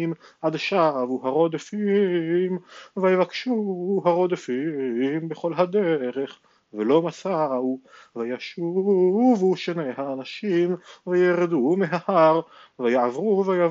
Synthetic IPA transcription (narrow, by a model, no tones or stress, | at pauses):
imʔad̪ʃaʁavuɦaʁo̞d̪efimvajevakʃuɦaʁod̪efimbeχo̞lɦad̪eʁeχ | velo̞masauvajaʃuvuʃenehaːnaʃimvejeʁed̪umeɦahaʁvajaʕavʁuveja